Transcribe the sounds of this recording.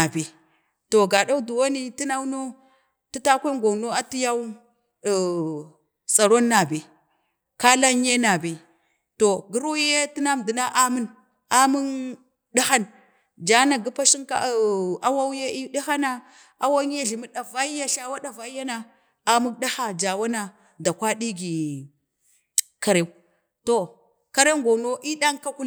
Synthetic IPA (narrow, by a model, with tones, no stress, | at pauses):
na˨bi˨ | to˨ɡa˨ɗa˦u˦du˨wa˦ni˦ti˦na˦wno˦ | ti˦ta˦kʷe˦ŋɡo˨no˦a˦ti˦ja˦u˦˨ | sa˨ɾo˦nːa˨bi˨ | ka˦la˦ɲ˦e˦na˨bi˨ | to˨ɡi˦ɾu˦je˦ti˦na˦m˨di˨na˦ʔa˦mu˦n | a˦mu˦ŋ | ɗa˦xa˦n | d͡ʒa˦na˨ɡi˦pa˦ʃi˦ŋka̰˦˨a˦wa˦wje˦i˦ɗi˦xa˦na˦ | a˦wa˦ŋ˦ja˦ɮi˨mi˦ɗa˨va˦ja˦ɬa˦wa˦ɗa˨va˦ja˦na˦ | a˨mu˦kɗa˦xa˦d͡ʒa˨wa˦na˨ | da˨kʷa˦ɗi˦ɡi˨ | ka˨ɾe˦˨ | to˨ | ka˦ɾe˦ŋɡo˨no˦ʔi˦ɗa˦ŋka˦ku˦